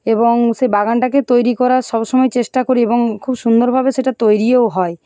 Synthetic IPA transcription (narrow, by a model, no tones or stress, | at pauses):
eboŋʃebaɡanʈaket̪ojɾikɔɾaʃɔbʃɔmɔjt͡ɕeʃʈakoɾieboŋkʰubʃund̪oɾbʱabeʃeʈat̪ojɾiewɦɔe